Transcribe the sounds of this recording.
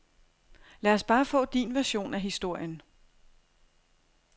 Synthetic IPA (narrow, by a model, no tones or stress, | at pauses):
læːɐsb̥ɑ̈ːfɔ̰̽ːd̥inʋæɐɕo̝̰ːnæɦisd̥o̝ɐ̰jən